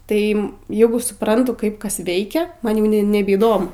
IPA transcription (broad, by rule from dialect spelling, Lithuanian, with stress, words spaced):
ˈtɐɪ ˈjæːɡʊ sʊˈprɐntʊ ˈkɐɪp ˈkɐs ˈʋʲɛɪkʲɛ ˈmɐn jɛʊ nʲɛbʲɛiːˈdoːmʊ